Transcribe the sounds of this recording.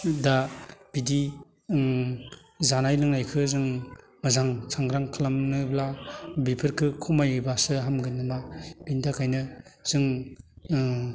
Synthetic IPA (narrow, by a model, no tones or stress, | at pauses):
dab̥idi | zanajlɯŋnajkʰɯzɯŋ | mɯzaŋsʰaŋɡɾaŋkʰɯlamnɯblabipʰɯɾkʰɯkʰumajɯjbasɯɦamɡɯnɯmab̥intʰakʰajnɯz̥ɯŋ